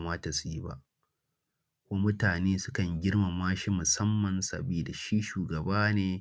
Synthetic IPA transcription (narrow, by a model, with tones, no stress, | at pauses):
maː˦ta˨su˨ji˦ba̰˦ʔ | kʷoː˦mʊ˦taː˨neː˦sʊ˦kɐ˨ŋɡʲɪ˦rma˨maː˦ʃi˦mʊ˨sɐ˦mːɐ˨nsɐ̰˨biː˦da˨ʃi˦ʃuː˨ɡɐ˨baː˦neː˨